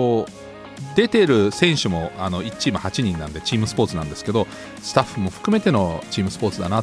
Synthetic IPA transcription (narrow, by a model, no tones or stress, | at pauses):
o | d̪e̞t̪e̞ɾɯ̟sẽ̞ɰ̃ɕɨmo̞ano̞it͡ɕːiːmahat͡ɕiɲ̟ĩnːã̰nd̪e̞t͡ɕiːmɯsɨ̥po̞ːt͡sɨnã̰nd̪e̞sɨ̥ke̞d̪o̞ | sɨ̥t̪aɸːɯ̟mo̞ɸɯ̟̥kɯ̟me̞t̪e̞no̞t͡ɕiːmɯsɨ̥po̞ːt͡sɨd̪a̰na